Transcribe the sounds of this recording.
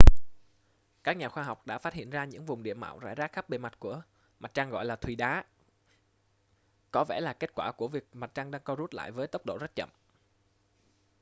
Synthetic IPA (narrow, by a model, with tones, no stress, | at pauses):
kaː˦˥k̚ɲaː˨˩xwaː˧ɦa˨˩wk͡p̚ɗa̰ː˧˥faː˦t̚hḭ˧˨ənzaː˧ɲɨ̰˧˥ŋvʊ˨˩ŋ͡mɗḭ˧˨əma̰ː˧˨wza̰ː˧˥jzaː˦˥k̚xp̚ɓe˨˩ma˨˩t̚ku˧˩ə | ma˨˩t̚t͡ɕaː˧ŋɣɔ̰˧˨jlaː˨˩t̪ʰwi˨˩ɗaː˨˦ | kɔ˨˦vɛ˧˩laː˨˩ke˦˥t̚kwaː˧˩ku˧˩əvi˨˩ək̚ma˨˩t̚t͡ɕa˧ŋɗaː˧ŋkɔ˧zu˦˥t̚la̰ː˧˨jvəː˨˦jt̪ə˦˥wk͡p̚ɗo̰˧˨zə˦˥t̚t͡ɕə̰˧˨m